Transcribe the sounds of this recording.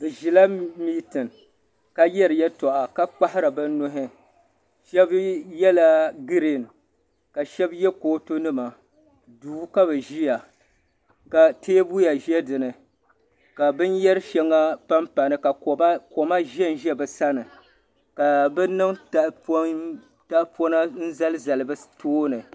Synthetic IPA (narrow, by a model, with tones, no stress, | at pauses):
bɨ˨ʒi˨la˦miː˦tɨ˨n | ka˦jɛ˦ɾɨ˨jɛ˦tɔ˨ʔa˨ka˦k͡pa˦hɪ˦ɾa˨bɛ˦nʊ˦ɦɪ˦ | ʃɛ˦bjɛ˦la˦ɡɨ˦ɾe˨n˨ | ka˨ʃɛ˦bjɛ˦koː˦to˦nɨ˦ma˨ | duː˦ka˦βɛ˨ʒi˦ja˨ | ka˨tʰeː˦bu˦ja˨ʒɛ˦dɨ˨nɨ˨ | ka˨bɨ˦njɛ˦ɾɨ˦ʃɛ˦ŋːa˦pa˦mpa˨nɨ˨ka˨˦ko˨ma˦ʒɛ˦n˨ʒɛ˦bɛ˨sa˦nɨ˨ | ka˨bɛ˦nɨ˦ŋta˨p | ta˦po˦na˦n̩˦za˦lɨ˦za˨lɨ˨bɨ˦tʰoː˦nɨ˨